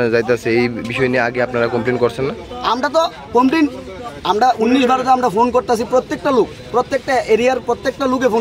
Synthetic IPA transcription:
zajt̪asejbiʃɔjenieaɡeapnaɾakɔmplenkɔɾt͡ɕʰenːaamɾat̪̬ɔ | komplin | amɾaunːiʃbʱaɾɔt̪eamɾafonkoɾt̪as̬ipɾɔt̪ːek̚ʈalok | pɾɔt̪ːek̚ʈaʔeɾijaɾpɾɔt̪ːekʈalukefo

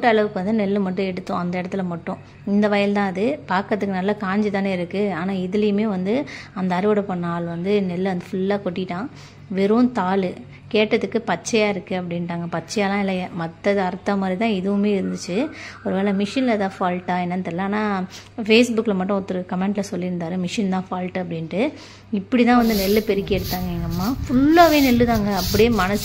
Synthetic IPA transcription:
ʈːɐɐɭɐʋɯkːɯʋɐnd̪ɯnɛlːɯmɐʈːʊ̃ɛɽɯt̪ːʊ̃ɐnd̪ɐɪɽɐt̪ːɪlɐmɐʈːʊ̃ | ɪnd̪ɐʋɐjɐlt̪ãːɐðɯpaːɾkɾɐðɯkːɯnɐlːɐkaːɲd͡ʒit̪ãːneːɪɾɯkːɯaːnaːɪðɯlɐjɯmeːʋɐnd̪ɯɐnd̪ɐːɾɯʋɐɽɐpɐɳːaːlʋɐnd̪ɯnɛlːɯʋɐnd̪ɯfʊlːaːkɔʈːɪʈːãː | ʋɪɾũːnt̪aːlɯ | keːʈːɐðɯkːɯpɐt͡ʃːɐjaːɪɾɯkːɯɐpːɐɽɪnaːŋɡɐpɐt͡ʃːɐjaːlãːɪlɐjɐmɐt̪ːɐðɯɐɾɯt̪ːɐmaːd̪ɾit̪ãːɛðɯʋɯmeːɪɾɯnd̪ɯt͡ʃːɯɔɾɯʋeːlɐmɪʂɐnlɐt̪ãːfaːlʈaːɛnːɐnt̪ɐlːɐaːnaː | feːsbʊkːɪlɐmɐʈːʊ̃ɔt̪ːɪɾɯkɐmɛɳʈlɐsɔlːɪɾɯnd̪aːɾɯmɪʂɐnt̪ãːfaːlʈɐpːɐɽɪnːʈɯ | ɪpːɐɽit̪ãːʋɐnd̪ɯnɛlːɯpɛɾɯkːɪɛɽɯt̪ːaːŋɡɐɛŋɡɐmːaːfʊlːaːʋeːnɛlːɯðaːŋɡɐːpːɐɽɪjeːmɐnɐs

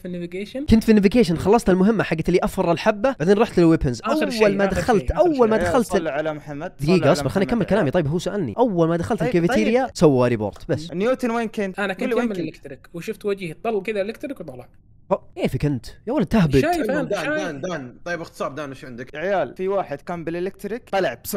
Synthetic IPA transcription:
finːavikeːʃɪnkɪnt̪finːavikeːʃɪnxɑlˤːɑsˤt̪halmʊɦɪmːaħaɡːalːiʔafɑrˤːɑlħabːabaʕd̪eːnɾˤɑħt̪lɪwɪpɪnzʔawːalmad̪axalt̪ʔawːalmad̪axalt̪lːʕalamʊħamːad̪aɡiːɡaʔɑsˤbɑlxanːʔakamːɪlkalaːmit̪ˤɑjːbɦuːsʊʔaːlnḭʔawːalmad̪axalt̪ɪlkafit̪iːɾɪjasawːaɾibo̰ːɾt̪basːnjoːt̪ɪnwaɪnkɪnʔanak̪ːmɪlɪkt̪ɾɪkwɪʃʊft̪wad͡ʒiːht̪̚d̪ˤɑlːkɪðalɪkt̪ɾɪkwt̪ˤɑlɑʕ | keːfikɪnt̪jawalad̪̚t̪ahbɪt̪aad̪aːnd̪ant̪ˤɑjːɪbɪxt̪ɨ̥sˤɑːb̚d̪aːnɪʃʕɪnd̪ɪkʕjaːlfiwaːħɪd̪kaːnbɪlɪlɪkt̪ɾɪkt̪ɑlaʕb̥s

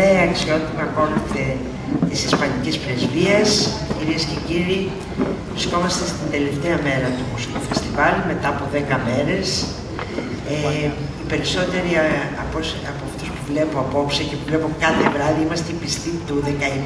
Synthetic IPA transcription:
eɐksio̞t̪imeɐko̞nut̪e̞ | t̪isispɐnicispɾezviɐs | ciɾiesce̞ciɾi | vɾisko̞mɐst̪est̪ind̪e̞le̞ft̪e̞ɐme̞ɾɐt̪umusikufe̞st̪ivɐlme̞t̪ɐːpo̞ðekɐme̞ɾe̞s | eipe̞ɾiso̞t̪e̞ɾiɐpoɐpoɐft̪ospuvle̞poɐpo̞psiɐce̞puvle̞pokɐθe̞vɾɐðiimɐst̪eipist̪it̪uðe̞kɐe

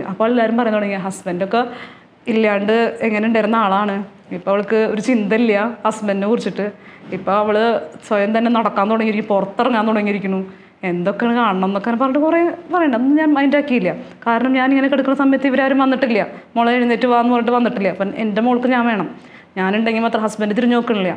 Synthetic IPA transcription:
ʔɐpːo̞ːɭelːaːɾumpɐrɐjnuɽɐŋːiɦɐsbendokːe | ilːaɳɖɨeŋːɐneuɳɖeɾunːɐaːɭaːɳɨ | ipːoːɐʋɐɭkɨo̞ɾut͡ɕind̪ɐilːjɐhɐsbendnɨkurit͡ɕːiʈːɨipːo̞ːɭɐʋɐɭsʋɐjɐmt̪ɐnːenɐɽɐkːaːnt̪uɽɐŋːikːunːpurɐt̪ːɐrɐŋːaːnt̪uɽɐŋːiɾikʲːunːu | e̞nd̪o̞kːekaːɳɐɳɐmnːokːenmpɐrɐɳɖɨkurɐejɐpɐrɐjuɳɖɐɐnːɨɲaːnmɐjndaːkːijɐilːjɐkaːɾɐɳɐmɲaːniŋːɐnekeɽukːunːɐsɐmɐjɐt̪ːɨiʋɐɾaːɾumʋɐnːiʈːilːjɐmoɭeɽinetːɨʋaːnːuporʈːɨʋɐnːiʈːilːjɐpɐnḛndemoːɭkːɨɲaːnʋe̞ːɳɐm | ɲaːnuɳɖeŋːimaːt̪rɐɦɐsbendɨt̪iɾiɲːoːkːɐɳːilːɐjɐ

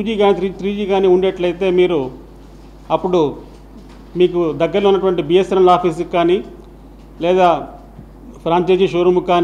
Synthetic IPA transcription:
suːd͡ʒiːɡaːnit̪it̪ɾiːd͡ʒiːɡaːniːuɳɖeːʈlɐjt̪e̞ːmiːɾu | ɐpːuɽu | miːkud̪ɐɡːɐɾlounːɐʈuʋɐɳʈibiːesɐɾɐnɐlaːpʰiːs̬kːaːni | lɛːd̪aː | pʰɾaːɲt͡ʃeːd͡ʒiːʃoːɾumukːaːni

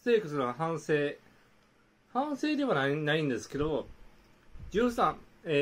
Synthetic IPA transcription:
t̪e̞ːksɨahãɰ̃se̞ː | hãɰ̃se̞ːd̪e̞βananaĩnd̪e̞sɨ̥ke̞d̪o̞ | d͡ʑɨːsãŋe

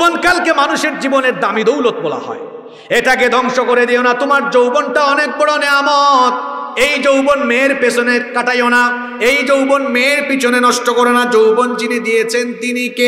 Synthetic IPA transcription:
onkalkemanuʃeɾd͡ʑiboneɾd̪amid̪owlot̪̚bɔla̰ɦɔ̰e | eʈaked̪ʱɔŋʃokoɾed̪ijonat̪omaɾd͡ʑowbonʈaɔnek̚bɔɽoneamɔt̪̚ | ejd͡ʑowbonmeɾpesonekaʈajona | ejd͡ʑowbonmeɾpit͡ɕʰonenɔʃʈokoɾanad͡ʑowbond͡ʑined̪ijet͡ɕʰent̪inike

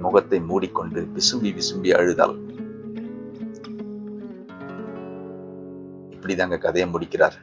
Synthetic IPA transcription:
mʊɣɐt̪ːɐɪmuːɽɪkːɔɳɖɯpɪsɯmbiʋɪsɯmbiɐ̰ɻɯða̰ːl | ɪpːɐɽɪðaːŋɡɐkɐðɐjɐmːʊɽɪkːɪra̰ːɾ

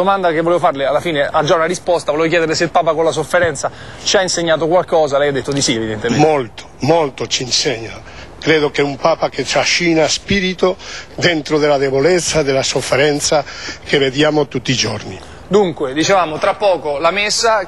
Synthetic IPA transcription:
omand̪akevːoleːvofarlɪalːafiːnead͡ʒːaunaɾispɔst̪avoleːvok̬jɛːd̪eɾleseilpaːpakonlas̬ofːeɾɛnt̪sa | t͡ʃiainseɲːaːt̪̬okwalkɔːzalɛjad̪ːet̪ːod̪isievid̪ent̪emmolt̪ʰo̥mɔlt̪ot͡ʃinsɛɲːa | kɾeːd̪okeumpaːpaket̪ɾaʃːiːnaspiɾit̪od̪ɛnt̪ɾod̪ɪlad̪ebolɛt̪sːad̪elasofːeɾɛnt̪sakeved̪jaːmot̪ut̪ːid͡ʒorni | d̪uŋkwed̪it͡ʃevaːmot̪ɾapːɔːkolamesːa

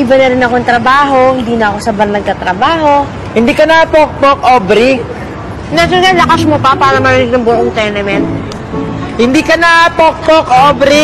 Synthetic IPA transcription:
ʔɪbɐnɐɾɪnɐkoŋt̪ɾɐbaːɦo̞hɪnd̪iːnɐɐko̞sɐbɐɾnɐɡ̚t̪ɐt̪ɾɐbaːɦo̞ | hɪnd̪iːkɐnɐpok̚pok̚ʔoːbɾi | nɐt͡ʃʊɾalɐkɐsmopɐpaːɾɐmɐɾinɪɡ̚nɐŋbʊʔoŋt̪ɛnɛmɛnt̪̚ | hɪnd̪iːkɐnɐpok̚pokobɾi

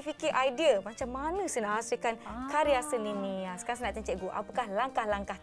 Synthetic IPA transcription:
fikiʔajdiəmat͡ʃamːanə̃sənaʔasɾikankaɾiasəninĩasə̥kaɾãŋsənaʔt̪ənɲt͡ʃɛʔɡuʔa̰pəkahlaŋkahlaŋkah

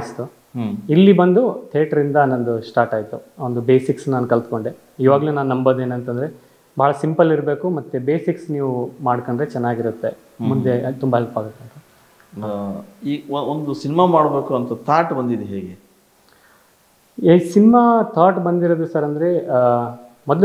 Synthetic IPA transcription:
ist̪u | ilːibɐnd̪ut̪ʰijːʈɐɾind̪ɐnɐnd̪usʈaːɾʈaːjt̪uond̪ubeːsiksnaːnukɐɭt̪koɳɖe | iːʋaːɡɐlenaːnnɐmbɐːd̪eːnɐnt̪ɐnd̪ɐɾe | bʱaːɭɐsimpɐliɾɐbe̞ːkumɐt̪ːebeːsiksniːʋumaːɖkoɳɖɾet͡ʃɛnːaːɡiɾut̪ːe̞ | mund̪et̪umbɐɦɛlpaːɡɐt̪ːɐnt̪ɐ | iːond̪usinimaːmaːɽbeːkuɐnt̪ɐt̪ʰaːʈbɐnd̪id̪eɦeːɡe | sinimaːt̪ʰaːʈbɐnd̪iɾod̪usɐɾɐnd̪ɐɾe̞ | mɔd̪ɐl

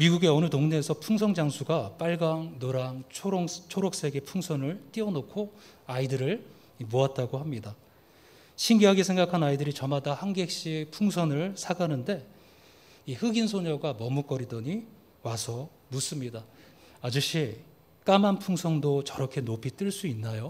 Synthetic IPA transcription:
miɡuɡe̞ʌnɯɭtoŋne̞ːsʰʌpʰuŋs̬ʰʌŋd͡ʑaŋsʰuɡap͈aɭɡaŋnoɾaŋʰt͡ɕʰoɾʌk̚s͈eɡe̞pʰuŋsʰʌnɯɭt͈iʌnokʰo | aidɯɾɯɭ | imoat̚t͈aɡohamɲida | ɕʰimɡiɦaɡisʰe̞ŋɡakʰanaidɯɾit͡ɕʌmadahaŋɡe̞k̚ɕ͈ipʰuŋsʰʌnɯɭsʰaɡanɯnde̞ | ihɯɡinsʰoɲʌɡamʌmuk͈ʌɾidʌɲi | wasʰʌ | mus͈ɯmɲidaː | d͡ʑuɕ͈i | k͈amanpʰuŋsʰʌŋdot͡ɕʌɾʌkʰe̞nopʰit͈ɯɭs͈uinːajo

